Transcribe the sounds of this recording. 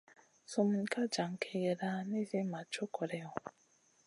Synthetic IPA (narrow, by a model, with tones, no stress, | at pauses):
so˨m̩˨ɲ˨˦ka˦d͡ʒa˨ŋ̩˨kʰe˨ɣe˨ɾa˦ne˦ze˦ma˨t͡ʃo˦kɔ˨ɾɛ˦ɔ˨